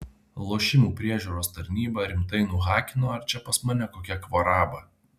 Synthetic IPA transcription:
lˠoːʃʲɪmuːpʲɾʲiɛʒʲuːɾoːst̪ɐɾʲnʲiːbɐɾʲɪmt̪ɐɪnʊɣɑːkʲɪnoːɐɾt͡ʃʲɛpɐsmɐnʲɛkoːkʲɛkʋɔɾɑːbɐ

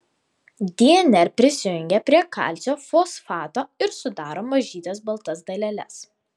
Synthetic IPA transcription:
d̪ʲiɛnʲɛɾpʲɾʲɪsʲɪjʊŋʲɡʲɛpʲɾʲiɛkɑ̰ˑlʲt̪sʲoːfoːsfɑːt̪oːɪɾsʊd̪ɑːɾoːmɐʒʲiːt̪ʲɛsbɐlˠt̪ɐsd̪ɐlʲɛlʲɛ̰s

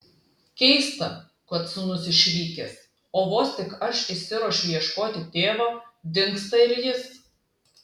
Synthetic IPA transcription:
kʲɛɪst̪ɐ | kʊɐt̪sʊnʊsɪʃʲʋʲiːkʲeːs | oːʋoːst̪ʲɪkɐʃɪʃʲsʲɪɾɔʃʲʊjiɛʃkoːt̪ʲɪt̪ʲeːʋɑːd̪ʲɪŋˑkst̪ɐɪɾjɪs

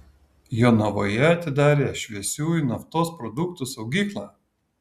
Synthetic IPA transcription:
joːnɐʋoːjɛɐt̪ʲɪd̪ɑːɾʲeːʃʲʋʲiɛsʲuːɪnɐft̪oːspɾɔd̪ʊkt̪ʊsɒʊɡʲiːklˠɑː

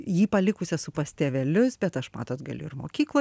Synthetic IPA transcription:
jiːpɐlʲɪkʊsʲɛsʊpɐsʲt̪ʲeːʋʲɛlʲʊsbʲɛt̪ɐʃmɑ̰ːt̪oːt̪ɡɐlʲʊ̰ɪɾmoːkʲiːklˠoː

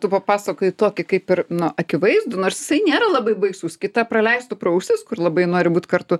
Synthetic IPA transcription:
t̪upɐpɑːsɐkoːɪt̪oːkʲɪkɐɪpɪrnʊʔɐkʲɪʋɐɪzd̪ʊnoːrsjɪ̥sɐɪnʲeːɾɐlˠɐbɐɪbɐɪsʊskʲɪt̪ɐpɾɐlʲɛɪst̪ʊpɾɐʊʃʲt̪ʲɪskʊrlˠɐbɐɪnoːɾʲɪbuːt̪ʲkɐrt̪ʊ

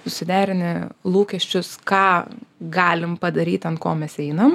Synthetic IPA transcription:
sʊsʲɪd̪ʲæːɾʲɪnʲɪlˠuːkʲɛʃʲt͡ʃʲʊskɑːɡɑːlʲɪmpɐd̪ɐɾʲiːt̪ɐntkoːmʲɛsɛɪnɐm

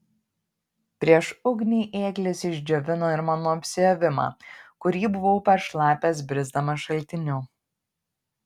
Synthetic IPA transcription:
pʲɾʲiɛʃʊɡnʲiːʔeːklʲɪsɪʒʲd͡ʒʲoʋʲɪnoːɪɾmɑːnoːɐpʲsʲɪjoʋʲɪmɑ̰ːkʊɾʲiːbʊʋoʊpɐʃlˠɑːpʲeːsbʲɾʲɪzd̪ɐmɐʃɐlʲt̪ʲɪnʲʊ

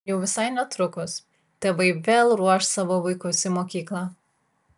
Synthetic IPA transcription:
jɛʊʋʲɪsɐɪnʲɛt̪ɾʊkʊs | t̪ʲeːʋɐɪʋʲeːlˠɾuɔʃsɑːʋoʋɐɪkʊsʲɪmoːkʲiːklˠɑː

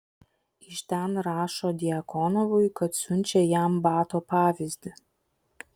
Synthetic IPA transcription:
ɪʃt̪ʲɛnɾɑːʃoːd̪ʲɪɐkɔnɔʋʊjkɐt̪sʲʊnʲt͡ʃʲɛjæmbɑːt̪oːpɑːʋʲɪzʲd̪ʲɪ

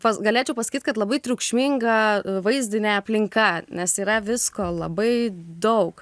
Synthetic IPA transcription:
pɐsɡɐlʲeːt͡ʃʲɛʊpɐsɐ̥kʲiːt̪kɐt̪lˠɐbɐɪt̪ʲɾʲʊːkʃʲmʲɪŋɡɐʋɐɪzʲd̪ʲɪnʲeːɐpʲlʲɪŋkɐnʲɛsiːɾɐʋʲɪskoːlˠɐbɐɪd̪ɐʊk

